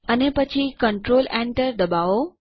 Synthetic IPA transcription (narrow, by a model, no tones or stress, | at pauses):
ənepɐt͡ɕʰikəɳʈɾoːlẽːɳʈəɾd̪ɐbaːo